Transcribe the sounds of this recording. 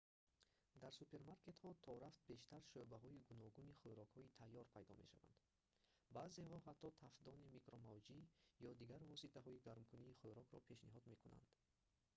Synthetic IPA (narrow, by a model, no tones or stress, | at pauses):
d̪aɾsupʰe̞ɾmaɾke̞t̪hɔt̪ʰɔɾaft̪̚be̞ʃt̪aɾʃøbaɦɔiɡunɔɡuniχøjɾɔkhɔit̪ʰajːɔɾpʰajd̪ɔme̞̰ʃa̰va̰nd̪ | bazeɦɔɦat̪ʰːɔt̪ʰafd̪ɔnimikɾɔmavd͡ʒijɔd̪iɡaɾvɔsit̪ʰaɦɔiɡaɾmkʰuniːχøɾɔkɾɔ̰pʰe̞ʃniɦɔd̪me̞kuna̰nd̪̥